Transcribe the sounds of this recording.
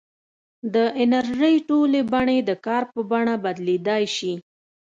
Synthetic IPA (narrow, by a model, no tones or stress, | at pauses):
d̪əʔɪnaɾʒəjʈolebaɳed̪əkɑɾpəbaɳabad̪led̪ɑjʃi